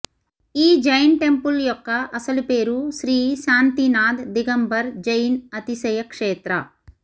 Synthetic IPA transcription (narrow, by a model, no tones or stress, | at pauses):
iːd͡ʒɐjnʈe̞mpuljɔkːɐʔɐsɐlupeːɾuʃɾiːʃaːnt̪inaːd̪d̪iɡɐmbɐɾd͡ʒɐjnɐt̪isɐjɐkʂeːt̪ɾɐ̰